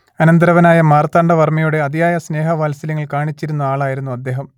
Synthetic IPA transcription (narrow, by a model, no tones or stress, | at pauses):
ɐnɐnd̪ɾɐʋɐnaːjɐmaːrt̪ːaːɳɖɐʋɐrmɐjuɽe̞ɐd̪ijaːjɐsne̞ːɦɐʋaːlsɐlɐŋːɐɭkaːɳit͡ɕːiɾunːɐaːɭaːjiɾunːuɐd̪ːe̞ːɦɐm